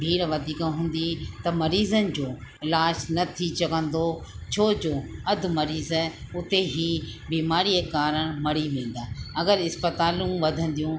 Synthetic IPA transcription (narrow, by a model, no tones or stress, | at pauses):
bʱiːɽʋɐd̪ʱiːkãɦũːn̆d̪it̪ɐmɐɾiːzənɪ̆d͡ʑoːɪlaːd͡ʑnɐt̪ʰit͡ɕɐɡə̃nd̪ot͡ɕʰoːd͡ʑoːɐd̪̆ʱmɐɾiːzʊt̪eɦibiːmaːɾiekaːɾəɽ̃mɐɽiʋẽːn̆d̪aːɐɡəɾɪspət̪aːlũʋɐd̪ʱə̃nd̪ijũ